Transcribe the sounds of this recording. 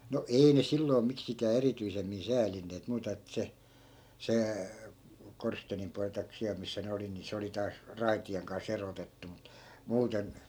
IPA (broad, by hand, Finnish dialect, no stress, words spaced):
no ei ne silːoi̯ miksikæː erityisemːin sæːlinːeːt muːtɑ etːæ̆ se se korsteːnim puɑlĭ tɑik siæl misːæ ne oli ni se oli tɑːs rɑitieŋ kɑns erotetːu mut muːten